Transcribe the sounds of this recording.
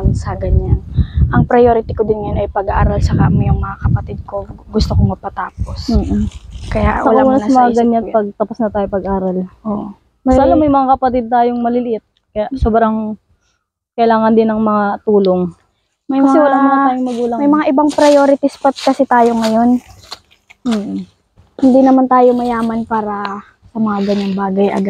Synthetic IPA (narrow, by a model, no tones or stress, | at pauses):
nsɐɡɐɲanʔɐŋpɾɐjoːɾɪt̪ɪkod̪ɪnŋɐjonʔɐjpɐɡɐʔa̰ːɾɐlsɐka̰ʔmɛjʊŋmɐŋakɐpɐt̪ɪd̪̚ko̞ɡʊst̪okoŋmɐpɐt̪aːp̚o̞s̩ːʔkɐja̰wɐlauːnɐnmɐaɡɐɲapɐɡ̚t̪ɐposnɐt̪aːjopɐɡʔaːɾɐlʔoʔ | salɐmːɐjmɐŋakɐpɐt̪ɪd̪̚t̪aːjoŋmɐlɪlɪʔɪt̪̚ | kɐjaʔsoːbɾɐŋ | kɐʔɪlaːŋɐnd̪ɪnːɐŋmɐŋat̪uːlo̞ŋ | mɐjkɐmɐsŋɛwɐlaammanaːjomɐɡuːlɐŋmɐjmɐŋaʔɪbaŋpɾɐjo̞ːɾɪt̪ɪspɐt̪̚kɐsɛt̪aːjo̞ŋɐjo̞n | m̩ː | hɪnd̪inɐmant̪aːjomɐjaːmɐnpaːɾɐ | sɐmɐŋaɡɐɲaŋbaːɡɐjʔɐ̰ɡa